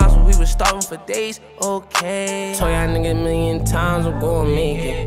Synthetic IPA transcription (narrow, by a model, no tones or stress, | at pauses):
asəwiwəstɑɹpɪ̃ŋfə˞deɪz̥ | ʔoʊkʰeɪtʰojadnɨɡɛmɪlˠjɨ̃ntʰãɪ̃mzɡoʊə̃nmeɪkɪt